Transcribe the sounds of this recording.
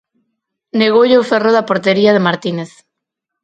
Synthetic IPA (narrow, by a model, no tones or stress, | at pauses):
neɣ̞owʎeoferoðapoɾt̪eɾiað̞emaɾt̪ineθ